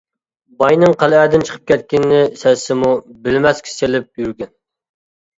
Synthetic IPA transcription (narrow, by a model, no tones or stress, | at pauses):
bɑjnɨŋqʰælæːd̪ɪnt͡ʃʰə̥qʰə̥p̚kʲʰɛt̪̚kʲɪnːɪsɛsɪmubɪlmɛskʲʰi̥selɪp̚jyɾɡʲɛn